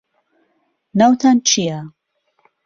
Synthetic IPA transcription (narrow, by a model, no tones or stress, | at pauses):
nawt̪ʰant͡ʃʰia